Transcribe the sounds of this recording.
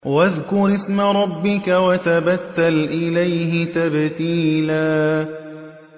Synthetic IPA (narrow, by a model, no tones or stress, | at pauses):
waðkʊɾɪsmaɾˤɑbːɪkawat̪abat̪ːalʔɪlajɦɪt̪abt̪iːlaː